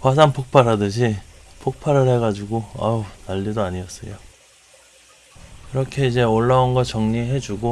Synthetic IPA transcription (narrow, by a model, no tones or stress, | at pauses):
pwas̬ʰanpʰok̚pʰaɾɦadɯɕ̬ʰipʰok̚pʰaɾɯɭhe̞ɡad͡ʑiɡoa̰unaʎːidoaɲiʌs͈ʌjo | iɾʌkʰe̞id͡ʑe̞oɭːaonɡʌt͡ɕʌŋɲiɦe̞d͡ʑuɡo